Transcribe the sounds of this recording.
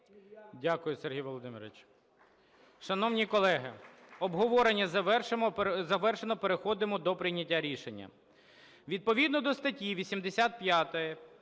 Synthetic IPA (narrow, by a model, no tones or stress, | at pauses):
dʲakʊjʊserɦʲijʋɔlˠɔd̪ɪmʲɪɾʋɪt͡ʃ | ʃɐnɔwnʲikɔlˠɛɦɪɔbɦɔʋɔɾenʲːɐzɐɛrʃmzɐʋɛrʃenɔpeɾexɔd̪ɪmɔd̪ɔpɾɪjnʲɐtʲːaɾʲiʃenʲːɐ̰ | ʋʲid̪̚pɔʋʲid̪nɔd̪ɔst̪ɐtʲiʋʲisʲimd̪esʲat̪̚pjat̪ɔjɛ